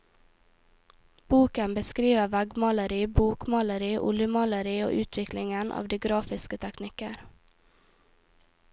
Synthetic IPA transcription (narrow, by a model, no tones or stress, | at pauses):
b̥uːkənbəskɾiːʋəʋæɡmɑləɾiːbuːkmɑləɾiːʔʊ̰lɪəmɑləɾiːo̰ːʔʉːt̪ʰʋɪklɪŋənʔɑ̰ːʋd̪iːɡɾɑːfɪskət̪ʰɛknɪkəɾ